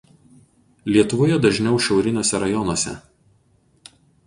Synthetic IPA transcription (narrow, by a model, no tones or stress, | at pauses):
lʲiɛt̪ʊʋoːjɛd̪ɐʒʲnʲɛʊʃʲɛʊɾʲɪnʲoːsʲɛɾɐjɔnoɔsʲɛ̰